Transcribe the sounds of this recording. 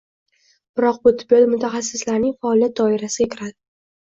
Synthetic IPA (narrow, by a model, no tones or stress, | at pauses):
b̥ɪɾɒq̚bʊt̪ʰɪbɒlmʊt̪ʰaχasːɪslaɾnɪŋʲfaːlˠijat̪̚d̪ɒɪɾasɪɡʲakʲʰɪɾad̪ɪ